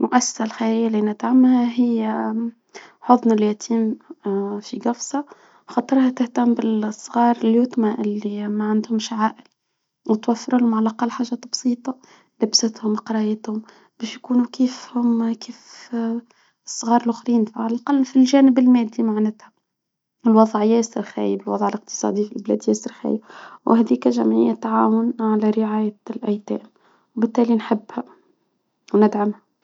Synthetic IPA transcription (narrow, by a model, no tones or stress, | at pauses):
mʊʔæsːḁsalxajæːjːælinɪt̪ʕamːhæɦɪjː | ħoðˤnaljæt̪ʰiːm | fiɡɑfsɑ | xɑt̪ˤɨɾhæt̪ɪht̪amːbɪsˤːɣɑːɾˤljut̪maʔɪlːimæʕand̪hʊmʃʕaːʔɪl | wɪt̪wæfːɪɾulʊmʕalʔaqɑlːħaːʒæːt̪bsˤiːt̪ˤɑ | lɪbsɪt̪hʊmqɑɾˤɑjət̪hʊm | b̥ɛːʃjkuːnukiːfhʊmkiːf | sˤːɣɑːɾˤlʔʊxɾiːnfʕalælqɑlːfilʒæːnɪbɪlmæːd̪ːimaʕnæt̪hæ | ɪlwɑðˤʕjæːsəɾxæ̰ːjəbɪlwɑðˤʕəlɪq̚t̪ɨ̥sˤɑ̰ːd̪ifilblæ̰ːd̪jæːsəɾxæ̰jəbwhæd̪iːkæʒæmʕɪ̰jːæt̪ːaʕaːwʊnʕalæɾɪʕaːjælʔæjt̪æ̰ːm | wbɪt̪ːæːlinħɪbːhæ | wnɪd̪ʕamhæ